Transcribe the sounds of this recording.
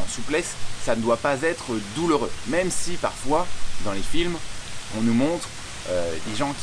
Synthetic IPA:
ɑ̃suplɛsːanəd̪wapazɛt̪χəd̪uləʁømɛmsipaʁfwad̪ɑ̃lefilmɔ̃numɔ̃t̪χ | ød̪eʒɑ̃kʲ

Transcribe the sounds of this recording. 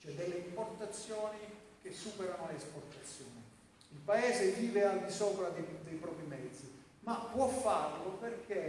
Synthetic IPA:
t͡ʃɛd̪ːɛlːeimport̪at̪sːjɔːnik̟esːuːpɛɾanoleːsport̪at̪sːjɔːni | ilpaɛːzeviːveald̪isɔːpɾad̪ed̪ejpɾɔːpɾimɛd̪zːi | mapːwɔfːarloperk̟e

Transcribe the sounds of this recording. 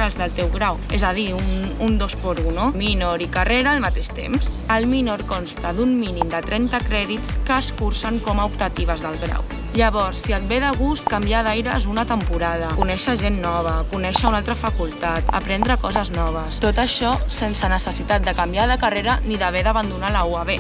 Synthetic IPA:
alzðəlˠt̪ɛwɣɾaw | ezəð̞iunund̪ospoɾunuminoɾikareɾaːlmat̪eʃt̪ḛmsəlˠminoɾkonst̪əðumminimd̪ət̪ɾɛnt̪əkɾɛðit̪t͡skəːskuɾsəŋkɔmaup̚t̪ət̪iβəzðəlˠɣɾa̰w | ʎəβɔɾsːiət̪̚beðəɣust̪̚kambjaðajɾəzunət̪əmpuɾað̞əkunɛʃəʒenːɔβ̞əkunɛʃəunalˠt̪ɾəfakulˠt̪at̪ə̰pɾɛnd̪ɾəkɔzəznɔβ̞əst̪ot̪əʃɔsensənəsəsit̪at̪̚d̪əkambiaðəkareɾəniðəβ̞eðəβand̪unalauaβe

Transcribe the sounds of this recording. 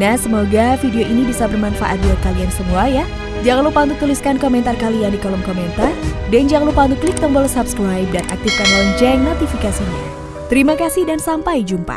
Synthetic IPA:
nahsəmoɡafideoʔinibisabərmanfa̰ʔa̰t̪̚diakaliansəmuaja | d͡ʒaŋlupaunt̪uk̚t̪uliskankomɛnt̪arkalijaŋdikolɔmkoment̪ardand͡ʒaŋlupaunt̪uklik̚t̪əmbɔlsap̚skɾajp̚danʔa̰k̚t̪ifkanalŋd͡ʒɛŋat̪ifikasiɲa̰ | t̪əɾimakasihdansampajd͡ʒumpa̰

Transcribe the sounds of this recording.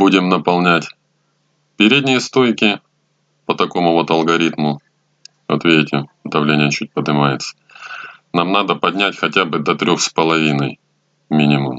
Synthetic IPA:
budʲɪmnəpɐlˠnʲætʲ | pʲɪɾʲedʲnʲɪjəst̪o̞jkʲɪ | pət̪ɐko̞mʊvo̞t̪ɐlˠɡɐɾʲit̪mʊ | ɐt̪vʲedʲɪtʲɪəd̪ɐvlʲenʲɪjət͡ɕut̚ʲpəd̪ɨmajɪt̪sə̥ | namnad̪əpɐdʲnʲætʲxɐtʲabɨd̪ɐt̪ɾʲoxspəlˠɐvʲinəj | mʲinʲɪmʊ̰m

